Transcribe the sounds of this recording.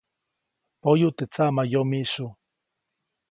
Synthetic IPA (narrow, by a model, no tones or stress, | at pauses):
pojut̪et͡samajomisu